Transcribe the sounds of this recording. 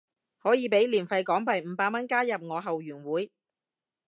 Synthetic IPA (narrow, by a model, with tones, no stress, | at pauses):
hɔː˨˥jiː˨˧pe˨˥jliː˨˩nfɐ˧jkɔː˨˥ŋpɐ˨˩jm̩ː˨˧˥paː˧k̚mɐ˥nkaː˥jɐ˨p̚ŋɔː˨˧ɦɐ˨wjyː˨˩nwuː˨˥j